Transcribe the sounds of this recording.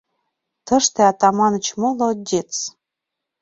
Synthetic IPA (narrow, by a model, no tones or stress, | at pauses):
t̪ɤ̆ʃt̪ĕɑt̪ɑmɑnə̆t͡ɕmolŏd̪ʲet͡s